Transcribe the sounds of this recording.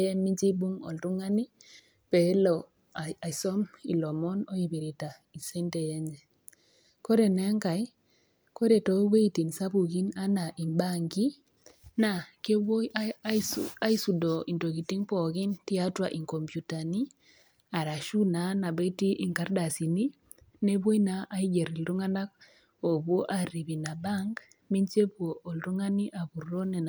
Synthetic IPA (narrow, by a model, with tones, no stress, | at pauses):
e˦mi˦d͡ʒi˦bu˦ŋo̰˨ltu˦ŋa˦ni˦ | pe˨˦lo˨ | a˨sɔ˦mḭ˨lo˨mɔ˦no˦i˨bi˨ɾi˨ta˨ | i˨se˦nte˨je˦ɲd͡ʒe˨ | ko˦ɾe˨ne˦ŋka˨j | ko˦ɾe˨to˨˦we˦i˦ti˨nsa˦bu˨ɡi˦na˦na˨ʔi˨mba˦ŋɡi˦ | na˨ke˦wo˦j | a˦i˦su˨do˨i˨ndo˨ɣi˨ti˦ŋpɔ˨ɣi˦nti˦a˦twa˨ʔi˨ŋko˨mpju˨ta˨ni˦ | a˨ɾa˨ʃu˦na˨na˨be˦ti˦ʔi˨ŋka˦ɾda˨si˨ni˦ | ne˦bo˦i˦na˦ʔa˦i˦ɡe˨ɾi˨ldu˦ŋa˦na˦k̚ | o˨bwo˦ʔa˨ɾi˨bi˨na˨ba˦ŋɡ | mi˦ɲt͡ʃe˦bwoː˨ldu˦ŋa˦ni˦ʔa˨βu˨ro˦ne˨n